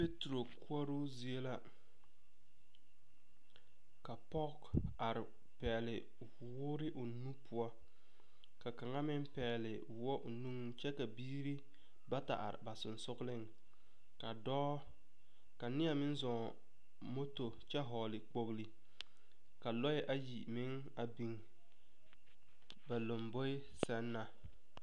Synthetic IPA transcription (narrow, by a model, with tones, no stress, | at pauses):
pe˦tɾo˨kʰʊ˦ɔ˦ɾo˦zi˨e˦la˦ | ka˨pɔ˦ka˨ɾɪ˨ | pɛ˨lɪ˨˦ | wʊː˦ɾɪ˦ʔʊ˨nu˦pʰʊ˦a˦ | ka˨ka˨ŋa˦mɪ˦mpɛː˨lɪ˨ | wɔ˦ʔʊ˨nu˦ŋ˦t͡ʃɛ˦ka˨biː˦ɾi˦ | ba˦ta̰˨ʔa̰˨ɾɪ̰˨ba˨sʊ˨nsʊ˦ɣlɪ˦ŋ | ka˨dɔː˦ | ka˨nɪ˦a˨mɪ˦n˦zɔ˨ | mo˦to˨t͡ʃɛ˦ɦɔː˨lɪ˨k͡po˦ɣli˨ | ka˨lɔ˦ɪ˦ʔa˦ji˨mɪ˦ŋ | a˨bi˨ŋ | ba˨lo˨mbo˦ɪ˦ | sɛ˦nːa˨